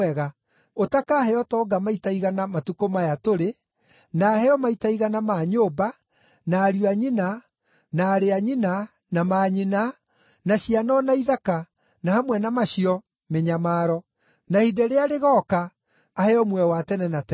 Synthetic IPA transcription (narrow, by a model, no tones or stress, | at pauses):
ɛɣa | otakaːhɛɔtɔːɡamaitaiɣanamatukomajatoɾe | naːhɛɔmaitaiɣanamaːɲoːba | naːɾuaɲina | naːɾeaɲina | namaɲina | naɕianɔnaiðaka | nahamwɛnamaɕiɔ | meɲamaːɾɔ | nahidɛɾeaɾeɣɔːkaː | hɛɔmwɛwatɛnɛnatɛ